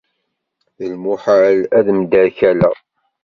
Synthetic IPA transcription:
əlmuħaʕlæðmd̪əɾçælæ̰

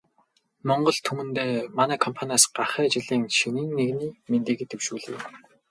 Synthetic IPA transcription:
mɔɴɢɞ̆ɮt̪ʰumɘ̆nt̪eːmanæːkʰɔmpʰanʲasɢaχæːt͡ɕɪ̆ɮiːŋʃinɘ̆ŋneɣniːment̪eːɣɘ̆t̪ewʃuːɮḛː

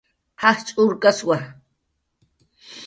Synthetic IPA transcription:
haht͡ʃʼʊɾkaswa

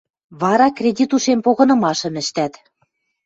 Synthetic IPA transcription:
βɑɾɑkrʲedʲit̪uʃempoɣɤ̆nɤ̆mɑʃɤ̆mɘ̆ʃt̪æt̪

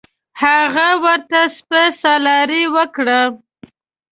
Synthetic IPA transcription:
haɣawəɾt̪aspəsɑlɑɾiwəkɽə

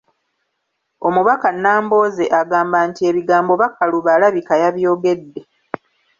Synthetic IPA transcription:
o̞muβakanːaːmbo̞ːze̞ʔaɡaːmbaːntie̞βiɡaːmbo̞βakːaluβalaβikajaβjo̞ːɡe̞dːe̞

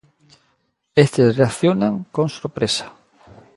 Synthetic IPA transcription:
est̪esreaθjonaŋkoŋsoɾpɾesḁ

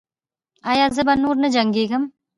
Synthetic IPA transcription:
ajaːzəbɐnːuːɾnəd͡ʒɐŋɡeːɡɐm

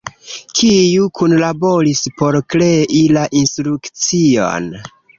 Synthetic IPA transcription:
kʰijukʰunlabo̞ɾispo̞ɾkɾe̞ʔilaʔinstɾukt͡sio̞̰n

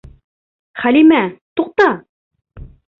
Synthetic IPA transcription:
χælimæt̪uq̚t̪ɑ

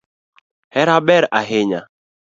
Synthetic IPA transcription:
hɛɾabɛɾaɦɪɲa̰

